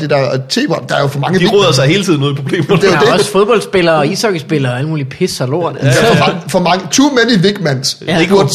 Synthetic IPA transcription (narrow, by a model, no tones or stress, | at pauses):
d̥ed̥æɐt͡sʰe̝̰ːb̥ɒd̥d̥ɑ̈æɐjo̝fɒ̽mɑ̈ŋəiʁɔðˠɐsɑ̈ɪhe̝ːlt͡sʰiðˠnɔːð̩ˠpʰʁo̝b̥le̝̰ːmɐd̥ejodeɒsfo̝ðˠb̥ɒ̽ld̥sb̥e̝lɐːɒisɒɡ̥əsb̥e̝lɐæləmuːlipʰe̝sɐlo̝ɐ̰nɑfɒ̽mɑ̈ŋət͡sʰumeniʋeɡ̥mæn̰seɡ̥joɐ̥